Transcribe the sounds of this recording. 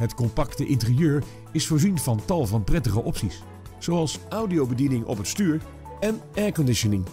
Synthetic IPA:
ɦətkɔmpɑktəʔɪntərijøːɹ | ɪsfʊːɹzinvɑntɑlˠvɑnprɛtəχəʔɔpsis | z̥oɑlˠsʔʌwdiowbədinɪŋʔɔ̰pɦətstyːɹ | ɛnɛɹkɔndɪʃənɪŋ

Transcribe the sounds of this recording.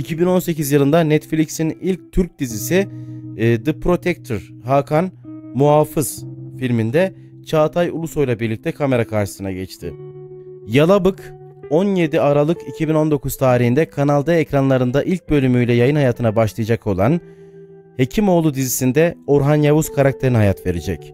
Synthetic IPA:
icʰibino̞nse̞cizjɯlˠɯnd̪anɛt̪flʲicsinilʲc̚t̪ʰyɾc̚d̪izisi | d̪ɯpɾo̞t̪ʰɛk̚t̪ʰoɾ | haːkʰanmuɦaːfɯz̥filʲmind̪ɛ | t͡ʃʰaːt̪ʰajṵlˠuso̞jlˠabiɾlʲic̚t̪ʰɛkʰame̞ɾakʰaɾʃɯ̥sɯnaɟɛ̰t͡ʃt̪ʰɪ̰ | jalˠabɯk | o̞nje̞d̪iaɾalˠɯkicʰibino̞nd̪o̞kʰuz̥t̪ʰaːɾiɦind̪ɛkʰanalˠd̪aecɾanlˠaɾɯnd̪aʔilʲc̚bø̞lʲymyjlʲɛjajɯnhajaːt̪ʰɯnabaʃlˠɯjad͡ʒakʰo̞lˠan | he̞cʰimo̞ːlˠud̪izisind̪ɛoɾɦanjavuz̥kʰaɾak̚t̪ʰeɾiniɦajat̪ve̞ɾed͡ʒɛ̰c

